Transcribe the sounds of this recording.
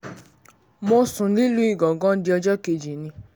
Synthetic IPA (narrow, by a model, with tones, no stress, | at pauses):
mo˧sũ˨˦li˦lu˦i˦˨ɡɔ̃˨ɡɔ̃˦di˧˦ɔ˧d͡ʒɔ˦ke˧˨d͡ʒi˨nĩ˧˦